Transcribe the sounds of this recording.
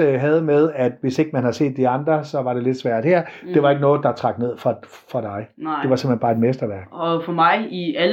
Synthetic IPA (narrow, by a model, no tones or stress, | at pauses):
ɦɛð̞ˠmeð̞ˠæd̥ʋe̝se̝ɡ̥əmænhɑ̈se̝̰ːd̥ːiɑ̈nd̥ʁɐsɒ̽ʋɑ̈ɾ̥e̝le̝d̥sʋæɐ̰d̥hæɐ̰d̥e̝ʋɑ̈e̝ɡənɔ̽ːð̞̩ˠd̥ɑ̈t͡sʰʁɑ̈ɡ̥ne̝ð̞̰ˠfʁɑ | fʁɑd̥ɑ̈ɪ̥e̝ʋɑ̈se̝m̥enb̥ɑ̈ːe̝d̥mesd̥ɐʋæɐɡ̥ɒfɒmɑ̈ɪiæ